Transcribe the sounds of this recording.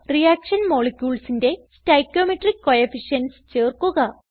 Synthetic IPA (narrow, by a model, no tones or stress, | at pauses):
rijaːkʂɐnmo̞ːɭekʲjuːɭsinde̞stɐjkʲːoːmiʈrikːojefiʂjɐnst͡ɕeːrkuɣɐ